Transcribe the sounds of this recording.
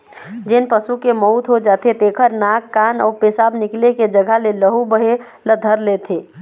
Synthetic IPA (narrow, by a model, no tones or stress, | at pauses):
d͡ʒenpəsukemɔʊt̪ɦod͡ʒaːt̪et̪eːkʰəɾnakːaːnɔ̰ːɾpeːsaːbnɪkleked͡ʒəɡʱəleləɦubəɦe | ləd̪ʱəɾlet̪ʰeː